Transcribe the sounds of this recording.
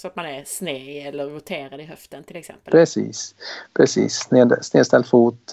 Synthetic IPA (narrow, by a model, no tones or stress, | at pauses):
sɔat̪manɛɾsneːɛlːəɾvʊt̪ʰeːɾad̪ɪɦœft̪ənt̪ʰɪlɛksɛ̰məpʰɾɛsḭːspʰɾɛsḭːsːneːd̪sneːst̪ɛlfuːt̪